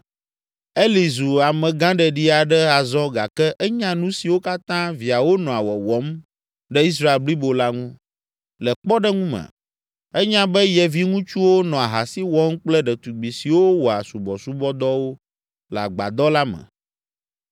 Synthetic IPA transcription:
e˦li˨zu˨a˨mɛ̃˨ɡã˦ɖɛ˨ɖi˦a˨ɖɛ˦a˨zɔ̃˦ɡa˨kɛ˦ʔɛ˦ɲã˦nũ˦si˨wo˦ka˦t̪ã˦vi˨a˨wo˦nɔ̃˨a˨wɔ˨wɔ˨˦m | ɖɛ˦i˦s̬ɾa˦e˨lbli˦bo˨la˦ŋũ˦ | lɛ˨k͡pɔ˦ɖɛ˦ŋũ˦mɛ̰̃˨ | ɛ˦ɲã˦bɛ˦jɛ˨vi˦ŋũ˦t͡ʃu˦wo˦nɔ̃˨a˨ɦa˨si˦wɔ˦m˦k͡plɛ˦ɖɛ˨t̪u˨ɡ͡bi˨si˨wo˦wɔ˨a˨su˨bɔ˨su˦bɔ˦d̪ɔ˦wo˦ | la̰˨ɡ͡ba̰˨d̪ɔ˦la˦mɛ̰̃˨

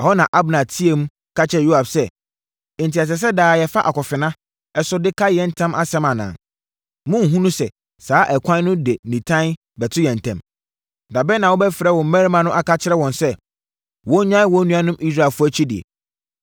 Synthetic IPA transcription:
ɛ˨hɔ˦nã˨ʔa˦bnã˨tʰi˦e˦m̩˦ | kʰa˦t͡ɕʰɪ˦ɛ˨jo˦a˨bsɛ̃˦˨ | n˨ti˨a˨s̬ɛ˨s̬ɛ˦daː˨jɛ˨fa˦ʔa˨kɔ˨fɪ˨nã˦ | ɛ˨sʊ˦dɪ˦kʰa˦jɛ˦n̩˦tʰã˦mʔa˦sɛ̃˦mã˨nã̰ː˨ | mʊ̃˦ŋ̩˨ɦũ˦nũ˦sɛ˨ | saː˨˦ʔɛ˨kʷʰã˦nː˦ʊ̃˦de˨nĩ˨tʰã˦n | bɛ˨tʰʊ˦jɛ̃˨n˨tʰɛ̰̃˨m | da˨bɛ˦nã˨wɔ˦bɛ˦fɪ˨ɾɛ˦wɔ̃˨m˦mɛ̃˦ɾmã˨nʊ̃˦ʔa˨ka˦t͡ɕʰɪ˦ɾɛ˦wɔ̃˨nsɛ˦ | wɔ̃˦ɲã˦wɔ̃˦nũ˦a˦nʊ̃˦mʔi˦sɾa˨lfʊ˦æ˦t͡ɕʰi˦di˨ḛ˨

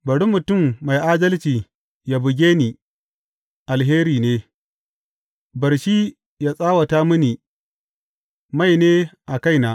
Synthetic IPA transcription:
bɐ˨ɽu˦mːʊ˨tʊ˦˨mːa˨jʔaː˦dɐ˦lt͡ʃiː˨ | ja˦bʊ˨ɡʲeː˦niː˨ | ʔa˨lɦeː˦ɾiː˨neː˦ | bɐ˨rʃiː˦ | jaː˦sʼaː˦wa˨ta˦mʊ˦niː˨ | ma˦˨jneː˦ʔa˨ka˦˨jna˦ʔ

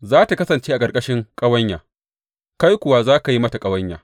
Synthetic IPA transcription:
zaː˦ta˨kɐ˦sɐ˨nt͡ʃeː˦ʔa˨kʼɐ˨ɾkʼɐ˦ʃɪ˦ŋkʼɐ˦wɐ˦ɲjaː˨ | ka˦jkʷʊ˨wa˦zaː˦ka˨ji˦mɐ˦ta˨kʼɐ˦wɐ˦ɲja̰ː˨

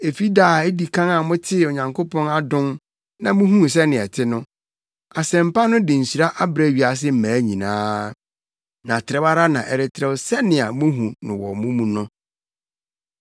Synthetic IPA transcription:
e˨fi˦daː˨e˦di˨kʰã˦ŋa˨mʊ̃˦tʰɪ˦o˨ɲã˨ŋkʰo˦pʰɔ̃˦na˦dʊ̃˦n | nã˨mʊ̃˦ɦũ˦˨s̬ɛ˦nɪ̃˨ɛ˨tʰɪ˦nʊ̃˦ | a˨sɛ̃˨m̩˨pa˦nʊ̃˦dɪ̃˨ɲ̩˨ɕi˨ɾa˦ʔa˦bɾɛ˨˦˨ɥi˨a˨s̬ɪ˦m̩˦mæ̃ː˨˦ɲĩ˨nãː˦ | nã˨tʰɪ˨ɾɛ˦ba˦ɾa˦nã˨ʔɛ˨ɾɪ˨tʰɪ˨ɾɛ˨wsɛ˦nɪ̃˨a˨mʊ̃˦ɦũ˨nʊ̃˨wɔ˨mʊ̃˦mũ˦nʊ̃˦

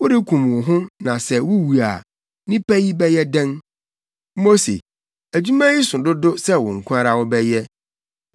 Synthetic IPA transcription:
wʊ˦dɪ˦kʰũ˨m˨wʊ˨ɦʊ̃˦nã˨sɛ˦wʊ˦wu˨a˨ | nɪ̃˦pʰæ˦ji˦bɛ˦jɛ˦dɛ̃˦n̩˦ | mo˦sḛ˨ | æ˨d͡ʑu˦mã˦ji˦sʊ̃˨dʊ˦dʊ˦sɛ˦wʊ̃˨ŋ̩˨kʷʰʊ˦a˦ɾa˨wɔ˦bɛ˦jɛ˦

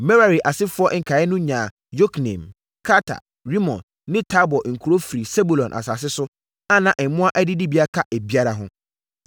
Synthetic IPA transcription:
mɛ˦ɾa˨ɾi˨ʔa˨sɪ˦fʊ˦ɔ˦ŋ̩˨kʰa˨ɛ˦nʊ̃˦ɲã˨ | jo˦kʰnɛ̰̃˨m | kʰa˦tʰa̰˨ | ɾi˦mɔ̰̃˨nːɪ̃˦tʰa˦bɔ˨ŋ̩˨kʰu˨ɾo˦fi˨ɾi˨sɛ˦bu˨lɔ̃˨nʔa̰˨sa˨s̬ɪ˦sʊ˦ | a˦nã˨ʔɛ̃˨˦mʊ̃˦a˦ʔæ˦dɪ˦di˦bi˦a˦kʰa˦ʔe˨bi˦a˦ɾa˦ɦʊ̰̃˦

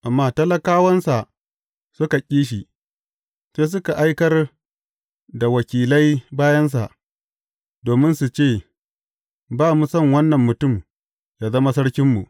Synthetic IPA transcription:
ʔa˨mːaː˦tɐ˦lɐ˦kaː˦wɐ˦nsa˨ʔ | sʊ˦ka˨kʲʼiː˦ʃ̬i˨ | seː˦s̬ʊ˦ka˨ʔa˦jkɐ˦r | da˨wɐ˨kʲiː˨lɐ˦jbaː˦jɐ˦ns̬a̰˨ʔ | doː˨mɪ˦nsu˨t͡ʃeː˦˨ | baː˦˨mu˨sɐ˦˨ŋwɐ˦nːɐ˨mːʊ˨tʊ˦˨m | jaː˨zɐ˦ma˦sɐ˦ɽkʲɪ˦mːṵ˨ʔ

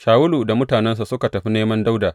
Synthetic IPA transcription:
ʃaː˨wʊ˦luː˨da˨mʊ˦taː˨nɛ˦ns̬a˨sʊ˦ka˨tɐ˨ɸi˦neː˦mɐ˦nda˦wdaː˨

